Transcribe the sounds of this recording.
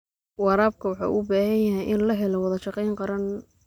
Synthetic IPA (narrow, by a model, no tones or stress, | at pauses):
wɑɾaːb̚kʰɐwɑħɑ̰ːʔṵbaːhɐnjɐɦɛjʔɪnlɐɦɛlɔwɑðɐʃɑqɛjŋqɑɾɐn